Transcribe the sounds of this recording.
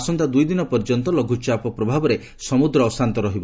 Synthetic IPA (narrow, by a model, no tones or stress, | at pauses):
sɔnt̪ad̪ujd̪inɔpɔɾd͡ʒɔnt̪ɔlɔɡʱut͡ʃapɔpɾɔbʱabɔɾe | sɔmud̪ɾɔːsant̪ɔɾɔɦibɔ